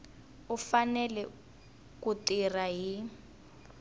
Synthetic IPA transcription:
ufanɛlɛ | kutiraɦi

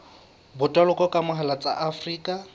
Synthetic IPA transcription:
bʊtʼalʊkʼɔkʼamʊɦalat͡sʼa̰ʔafriːkʼa

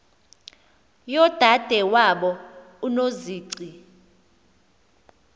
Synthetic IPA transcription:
jɔd̥ʱad̥ʱɛwaɓɔ | unoziːǀi

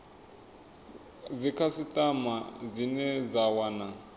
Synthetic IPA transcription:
d͡zikʰasitʼamazinɛd͡zawana

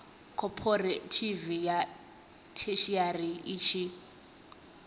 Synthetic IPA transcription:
kʰɔpʰɔretʰivija | tʰeʃiariit͡ʃʰi

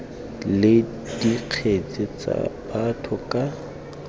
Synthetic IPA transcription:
lɪ | d̥iq͡χʰet͡sʼɪt͡sʼa̰b̥atʰʊkʼa

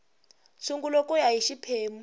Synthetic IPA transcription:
suŋɡulokʼujaɦiʃipʰeːmu

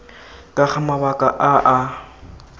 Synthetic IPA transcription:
kʼaχamabakʼaʔaʔa

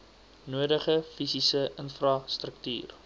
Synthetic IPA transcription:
nuədəχəfisisəʔənfrɑstrək̚ty̰ːr

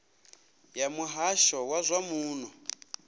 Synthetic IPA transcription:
jamuɦaʃɔwazʷamuːn̤ɔ

